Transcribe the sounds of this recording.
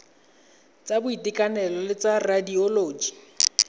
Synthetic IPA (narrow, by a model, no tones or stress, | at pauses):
t͡sʼabʊitɪkʼanɛlɔlɪt͡saradiɔloːd͡ʒi̥